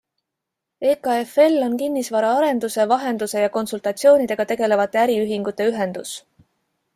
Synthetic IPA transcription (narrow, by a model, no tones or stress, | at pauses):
e̞ːkɑe̞fe̞lːo̞nkinːisvɑɾɑɑɾe̞nd̪̥use̞vɑɦe̞nd̪̥use̞jɑko̞nsult̪ɑt̪sijo̞ːnid̪̥e̞ɡ̥ɑt̪e̞ɡ̥e̞le̞vɑt̪ːˑe̞æɾiyɦiŋɡ̥ut̪ːˑe̞yɦe̞nd̪̥us